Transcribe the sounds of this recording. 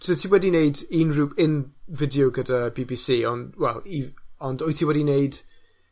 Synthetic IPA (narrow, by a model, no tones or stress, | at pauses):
sotʰiwɛdineɨdinruːpʰɪnvɪdjoɡədabiːbisiːɔndwɛlˠiɔndɔjtʰiwɛdineɨd